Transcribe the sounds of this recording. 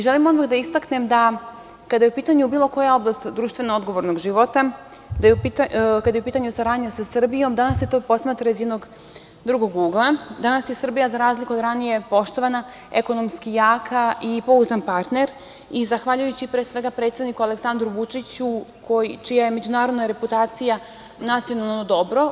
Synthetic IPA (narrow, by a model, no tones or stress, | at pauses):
iʒelimo̞nmakd̪aist̪akne̞md̪a | kad̪ajeupiːt̪aɲubiːlˠo̞ko̞jao̞blˠast̪d̪ɾuːʃt̪ʋe̞nao̞d̪ɡo̞ʋo̞ɾnoɡʒiʋo̞t̪a | d̪ajeupit̪kad̪ajeupiːt̪aɲusaɾaːd̪ɲasasr̩bijo̞md̪anasjet̪o̞ːpo̞smaːt̪ɾaizjed̪no̞ɡ | d̪ɾuɡo̞ɡuːɡlˠad̪anasjesr̩bijazaɾaːzlikuod̪ɾanije̞po̞ʃt̪o̞ʋana | eko̞no̞mskijaːkʰaipo̞uznanpaɾt̪ne̞ɾ | izaxʋaʎujut͡ɕipɾesʋe̞ɡapɾet̪sed̪nikualeksand̪ɾuʋut͡ʂit͡ɕukʰo̞jit͡ʃijajeme̞d͡ʑunaːɾo̞d̪naɾe̞put̪aːt̪sija | nat̪sijo̞nalˠlˠnod̪o̞bɾo̞